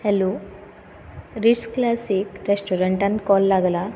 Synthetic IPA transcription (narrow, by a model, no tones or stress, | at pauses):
helu | ɾiʈsklasikɾesʈɔɾəɳʈankɔlːaɡla